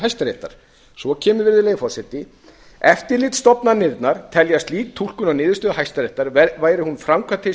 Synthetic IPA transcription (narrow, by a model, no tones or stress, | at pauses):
ɦajst̪aɾeht̪aɾ̥ | svɔcʰɛːmʏɾvɪɾðɪlejfɔsɛt̪ːɪ | ɛft̪ɪɾlɪt̪st̪ɔpnanɪɾt̪naɾ̥t̪ʰɛljast̪liːt̪ʰːul̥kʏnawnɪːðʏst̪œːðaɦajst̪aɾejht̪aɾvaːjɾɪhunfɾawmkʰvat̪ʰɪ